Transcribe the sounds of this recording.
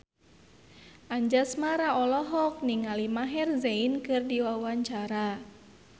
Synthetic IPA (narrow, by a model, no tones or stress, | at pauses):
ʔaɲd͡ʒasmaɾaɔlɔɦɔk̚niŋalimaɦɛrzeinkɨrdiwawaɲt͡ʃaɾa